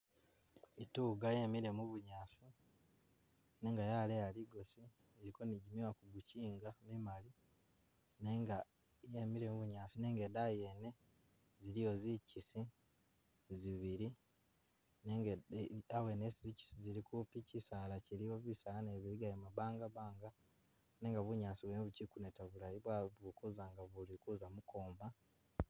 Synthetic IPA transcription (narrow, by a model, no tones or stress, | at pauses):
ituːɡajemiɾe̞muβuɲaːsi | ne̞ːŋɡajalejaliɡo̞si | eɾiko̞niɟimiwakuɡuciːŋɡamimali | neŋɡa | jemiɾe̞muβuɲaːsine̞ːŋɡedaje̞ːne̞ | ziɾijo̞zicisi | ziβiɾi | neŋɡeawe̞neszici̥siziɾikupicisalacilijoβisalaneβiɾiɡajimaβaːŋɡaβaːŋɡa | ne̞ːŋɡaβuɲaːsiβweneβucikunetaβulajiβwaβukuzaŋɡaβulikuzamuko̞ːmba